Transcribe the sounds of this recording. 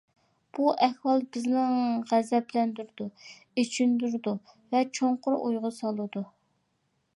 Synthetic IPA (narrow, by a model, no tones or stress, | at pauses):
b̥uʔɛhwɑlˠbɪznɪŋʁæzɛplɛnd̪yɾd̪u | et͡ʃʰynd̪yɾd̪u | vɛt͡ʃʰoɴqʊɾʔojʁɑsɑlˠɨd̪u